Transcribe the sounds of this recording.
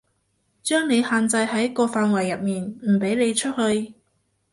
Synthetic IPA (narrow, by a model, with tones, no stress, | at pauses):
t͡ʃœː˥ŋne˨˧jhaː˨˧nt͡sɐ˧jɦɐ˨˥jkɔː˧faː˧nwɐ˨˩jːɐ˨t̚miː˨nm̩˨˩pe˨˥jne˨˧jt͡ʃʰɵ˥t̚hɵ˧ɥ